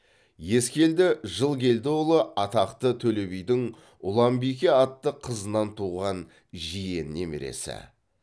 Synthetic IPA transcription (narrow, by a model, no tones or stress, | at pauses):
je̞skʲe̞ld̪ɪʒəlˠkʲʰe̞ld̪ɪwolˠəʔɑt̪ɑqt̪ət̪ʰɵle̞bijd̪ɪŋ | ʊlˠɑmbijkʲeɑt̪ːəqʰəzənɑnt̪ʰuʁɑn | ʒije̞nːemɪ̰ɾḛsɪ̰